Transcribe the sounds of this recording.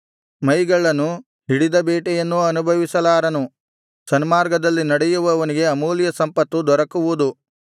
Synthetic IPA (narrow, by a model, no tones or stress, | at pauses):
mɐjɡɐɭːɐnːu | ɦiɽid̪ɐbeːʈɛjɐnːuɐnubʱɐʋisɐlaːɾɐnu | sɐnmaːɾɡɐd̪ɐlːinɐɽɛjuʋɐːʋɐniɡe̞ɐmuːljɐsɐmpɐt̪ːud̪ɔɾɐkuʋud̪u